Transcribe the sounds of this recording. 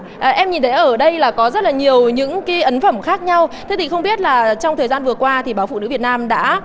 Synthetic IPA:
ʔʔɛ˧mɲi˨˩nt̪ʰjʔəː˧˩ɗə˧jlaː˨˩kɔ˨˦zə˦˥t̚laː˨˩ɲi˨˩əwɲɨ̰˧˥ŋkaː˨˦jʔə˨˦nfə˧˩mxaː˦˥k̚ɲa˧wt̪ʰe˨˦t̪ʰi˨˩xə˧wŋ͡mɓi˦˥ət̚laː˨˩t͡ɕɔ˧wŋ͡mt̪ʰəː˨˩jzaː˧nvɨ˨˩əkwaː˧t̪ʰi˨˩ɓaː˨˦wfṵ˧˨nɨ̰˧˥˦vət̚naː˧mɗa̰ː˧˥

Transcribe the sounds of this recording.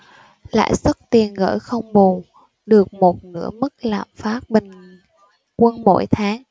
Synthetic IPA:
la̰ː˧˨jsə˦˥t̚t̪i˨˩ənɣə̰ː˧˥˩jxə˧wŋ͡mɓu˨˩ŋ | ɗɨ˨˩ək̚mo˨˩t̚nɨ̰˧˥əmɨ˦˥k̚la̰ː˧˨˩mfaː˦˥t̚ɓï˧ŋ̟ | kwə˧nmo̰˧˥jt̪ʰaː˨˦ŋ

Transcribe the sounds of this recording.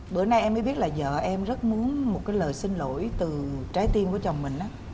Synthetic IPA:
ɓə̰˧˩na˧jʔɛ˧mːəː˨˦jɓi˦˥ət̚laː˨˩zə̰ː˧˨ʔɛ˧mzə˦˥t̚mu˨˦ənmo˨˩t̚kaː˨˦jləː˨˩jsï˧ŋlo̰˧˥˨jt̪ɨ˨˩t͡ɕaː˨˦jt̪i˧ənku˧˩ət͡ɕa˨˩wŋ͡mmï˨˩ŋ̟ʔaː˨˦

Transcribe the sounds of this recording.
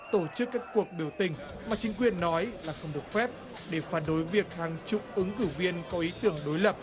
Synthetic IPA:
t̪o˧˩t͡ɕɨ˦˥kːaː˦˥kːu˨˩ək̚ɓi˧˩əwt̪ï˨˩ŋ̟ | maː˨˩t͡ɕï˨˦ŋ̟k̬wi˨˩ənːɔ˨˦jlaː˨˩xə˧wŋ͡mɗɨ˨˩ək̚fɛ˦˥p̚ | ɗe˧˩faː˧˩nɗo˨˦jvi˨˩ək̚haː˨˩ŋt͡ɕʊ̰˧˨k͡p̚ʔɨ˨˦ŋkɨ˧˩vi˧ənkɔ˨˦ʔi˨˦t̪ɨ˧˩əŋɗo˨˦jlə˨˩p̚

